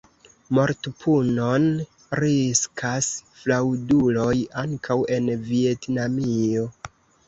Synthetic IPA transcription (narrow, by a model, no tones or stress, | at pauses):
mo̞ɾtpʰuno̞n | ɾiskʰasflawdulo̞jaŋkʰawe̞nvietnamio̞